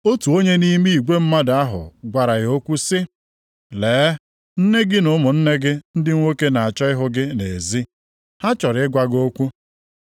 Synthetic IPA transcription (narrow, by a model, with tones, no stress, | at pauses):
o˦tu˨o˦ɲe˦ni˦mi˦i˨ɡʷe˦m̩˦ma˦da˦ɦʊ̰˨ɡʷa˨ɾa˨ɣo˦kʷu˦sɪ˦ | leː˨˦ | n̩˦ne˦ɡɪ˦nʊ˦mʊ˨n̩˦ne˦ɡɪ˦n̩˦dɪ˦ŋʷ˦o˦ke˦na˨a˨t͡ʃɔ˦ɪ˦ɦʊ˦ɡɪ˦ne˨zi˦ | ha˦t͡ʃɔ˨ɾɪ˨˦ɪ˦ɡʷa˦ɡo˦kʷu˦